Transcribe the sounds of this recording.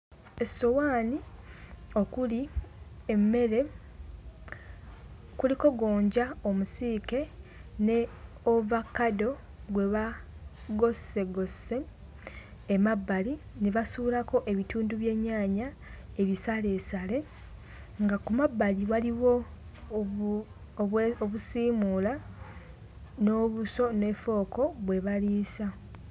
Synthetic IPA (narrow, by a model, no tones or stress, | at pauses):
esowaːni | o̞kuliemːe̞ɾe̞ | kuliko̞ɡo̞ːɲɟaomusiːke̞ne̞ | ovakːado̞ | ɡwe̞βaɡo̞se̞ɡo̞se̞ː | mabːaliniβasuβilako̞ʔe̞βituːnduβje̞ːɲːaːɲa | e̞βisale̞ːsale̞ | ŋɡakumabːaliwaliwo̞ | oβusiːmuːla | no̞ːβuso̞ne̞fo̞ːko̞βwe̞βaliːsa